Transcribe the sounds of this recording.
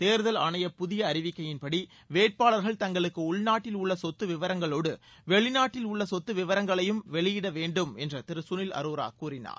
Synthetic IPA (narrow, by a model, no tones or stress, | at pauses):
t̪eːɾðɐlɐnɐjɐpʊðɪjɐːɾɪʋɪkːɐjɪnpɐɽi | ʋeːʈ̚paːɭɐɾɣɐɭt̪ɐŋɡɐɭɯkːɯʊɭnaːʈːɪlʊɭːɐsɔt̪ːɯʋɪʋɐɾɐŋɡɐɭoːɽɯ | ʋɛɭɪnaːʈːɪlʊɭːɐsɔt̪ːɯʋɪʋɐɾɐŋɡɐɭɐjɯmʋɛɭɪjɪɽɐʋeːɳɖɯmɛndrɐt̪ɪɾɯsʊnɪlɐ̰ɾuːɾa̰ːkːuːrɪna̰ːɾ